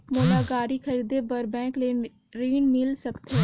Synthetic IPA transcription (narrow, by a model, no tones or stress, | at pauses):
moːlaɡaːɾixʰɐɾiːd̪ebəɾbɛ̃ːkle | ɾiːnmɪlsɐkt̪e